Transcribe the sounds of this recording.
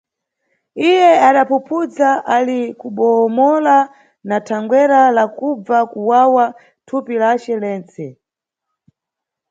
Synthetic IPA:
ijɛaɗapupʰud͡zaʔalikuɓɔːmɔla | natʰaŋɡwɛɾalakub͡vakuwawa | tʰupilat͡ʃɛlɛːnt͡sɛ

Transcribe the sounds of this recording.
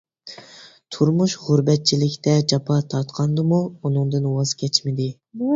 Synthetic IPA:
t̪ʰuɾmuʃʁʊɾbɛt̪̚t͡ʃʰilɪkʲt̪ɛd͡ʒɑpʰɑt̪ʰɑɾt̪qʰɑnd̪ɨmuunɨŋd̪ɨnwɑz̥kʲɛt͡ʃmɪd̪ɪ

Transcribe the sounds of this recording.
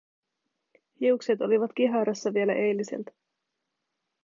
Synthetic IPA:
hiukset̪o̞liʋɑt̪k̟iɦɑɾɑsːɑʋie̞læʔejlːise̞̰lt̪

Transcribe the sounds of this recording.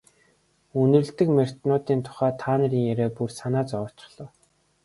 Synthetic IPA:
unɵ̆rɮt̪ɘ̆kmer̥ʲt̪nʊːt̪iːnt̪ʰʊ̥χæːt̪ʰaːnə̆ɾiːŋjæɾeːpursanaːt͡sɔr̥ʰt͡ɕɪ̆χɮ̥ɞː

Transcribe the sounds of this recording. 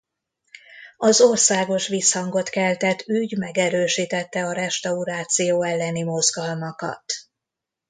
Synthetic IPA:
ɒzo̞rsaːɡo̞ʃʋiːshɒŋɡo̞t̪kɛlt̪ɛt̪yɟmɛɡɛɾøːʃiːt̪ɛt̪ːɛɒɾɛʃt̪ɒuɾaːt̪sijoːɛlːɛnimo̞zɡɒlmɒkɒ̰t̪

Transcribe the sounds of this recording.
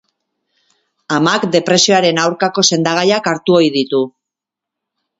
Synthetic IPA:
amakd̪e̞pɾe̞sio̞aɾe̞nawɾkako̞se̞nd̪aɣ̞ajakaɾt̪uo̞jðit̪u

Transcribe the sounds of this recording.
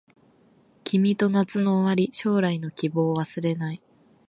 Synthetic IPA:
kʲimʲit̪o̞nat͡sɨno̞βaɾʲiɕo̞ːɾaino̞kʲibo̞ːβasɨɾe̞nai

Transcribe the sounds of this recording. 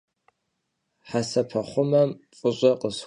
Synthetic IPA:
ħasɐpʰɐχʷʊmɐmfʼʊɕʷʼɐqʼəs

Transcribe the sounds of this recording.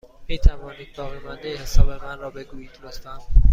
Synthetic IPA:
miːt̪ʰævɒːniːd̪̥̚bɒːɣemænd̪ehesɒːbe̞mænrɒːbe̞ɡuːjiːonest̪ænd̪̥

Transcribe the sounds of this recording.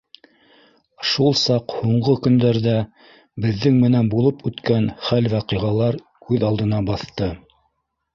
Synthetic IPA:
ʃulˠsɑqhuɴɢɤkɵ̆nd̪æɾðæ | bɘ̆ðːɘŋmɘ̆nænbulˠɤpʉt̪kænχælwɑqiʁɑlˠɑɾ | kʉðɑlˠd̪ɤ̆nɑbɑθt̪ɤ

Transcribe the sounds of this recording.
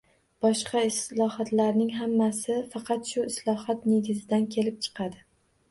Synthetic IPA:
b̥ɒʃqɑɪslˠɒhɒt̪laɾnɪŋɦamːasɪfɑqʰɑt̪ʃʊɪslˠɒhɒt̪neɡʲɪzɪd̪ankʲʰe̞lɪp̚t͡ʃʰɨ̥qʰɑd̪ɪ

